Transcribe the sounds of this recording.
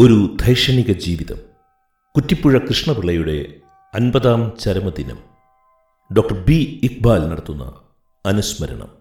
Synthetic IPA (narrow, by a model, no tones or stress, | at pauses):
o̞ɾud̪ʱɐjʂɐɳiɣɐd͡ʑiːʋiðɐ̰m | kutːipːuɻɐkrɨʂɳɐpiɭːɐjuɽe̞̰ | ɐnbɐðaːmt͡ɕɐɾɐmɐd̪inɐ̰m | ɖo̞ːk̚ʈɐrbiik̚baːlnɐɽɐt̪ːunːɐ̰ | ɐnusmɐɾɐ̰ɳɐ̰m